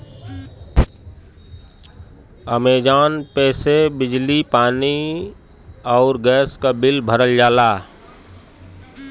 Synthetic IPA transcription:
əmeːd͡ʒaːnpɛːsebɪd͡ʒlipaːni | ɔːɾɡɛːskabɪlbʱəɾəld͡ʒaːlaː

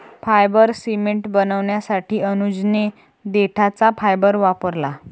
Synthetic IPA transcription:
pfajbəɾsimeɳʈbənəʋɳjasaʈiːənud͡zne | d̪eʈʰat͡sapʰajbəɾʋapəɾla

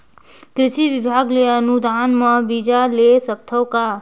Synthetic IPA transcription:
kɾɪʃiʋɪbʱaːɡleənud̪ʱaːnmɐbiːd͡ʒalesɐp̚t̪ʰəwka

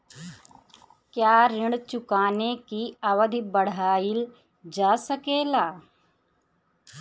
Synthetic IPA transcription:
kjaːɾɪɳɽt͡ʃʊkaːnekiɐʋəd̪ʱibəɽ̤aːil | d͡ʒaːsəkeːlaː

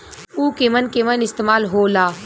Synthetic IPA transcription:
uːkemɐnkemɐnɪst̪eːmaːlɦoːlaː

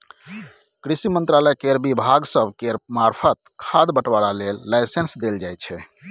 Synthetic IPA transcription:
kɾisimə̃nt̪ɾaləjkeɾbibʱaɡsəbʱkeɾmaɾpʰət̪̚kʰad̪bəʈʋaɾalelːaɪsensd̪eld͡ʒajt̪t͡ʃʰɛ

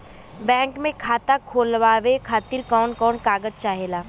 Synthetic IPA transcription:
bɛ̃ːŋkmẽkʰaːt̪akʰoːlʋaːʋekʰaːt̪ɪɾkɔːnkɔːnkaːɡəd͡ʒt͡ʃaːɦeːlaː

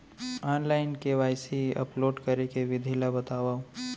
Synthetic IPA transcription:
aːnlaːɪnkeʋaːɪsiɐ̰ploːɖkɐɾekeʋɪd̪ʱilabɐt̪aːwaːo

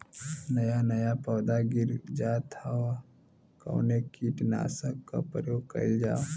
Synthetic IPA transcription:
nɐjanɐjapəːd̪aɡɪɾd͡ʒaːt̪ʰaʋa | kə̰ːnekiʈna̰ːsəkːa̰pɾəjoːɡ̚kɐ̰id͡ʒa̰ː

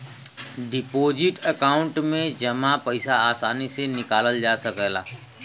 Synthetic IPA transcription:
ɖɪpoːd͡ʒɪʈəkaːʊ̃ɳʈmẽd͡ʒɐmãpəɪsaaːsaːnisenɪkaːləld͡ʒaːsəkɛːla̰ː

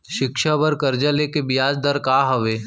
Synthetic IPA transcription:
ʃɪkʃabɐɾkɐɾd͡ʒəlekebɪjaːd͡ʒd̪əɾkaːɦɐʋeː

